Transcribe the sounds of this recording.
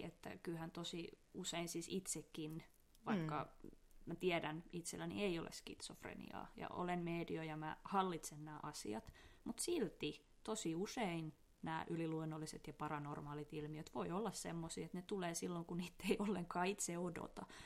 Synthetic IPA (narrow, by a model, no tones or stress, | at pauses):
ḛt̪ːæ̰kylhænt̪osiuseinsiːsit̪sekːin | ʋɑikːɑmæt̪iɛdænit̪selːænḭeio̰lʔḛskḭt̪so̰frḛnḭɑ̰ːjɑ̰ʔo̰lenmeːdiojɑmæhɑlːit̪sennæːʔɑsḭɑt̪mut̪silt̪i | t̪osiusein | næːʔyliluonːolːiset̪jɑpɑrɑnormɑːlit̪ilmiøt̪ʋoiolːɑssḛmːosḭːet̪net̪uleːsilːoŋkuniːt̪ːeiolːeŋkɑːit̪seodo̰t̪ɑ